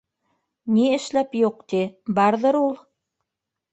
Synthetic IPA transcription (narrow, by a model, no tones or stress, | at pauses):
niɘ̆ʃlæpjuq̚t̪ibɑɾðɤ̆ɾulˠ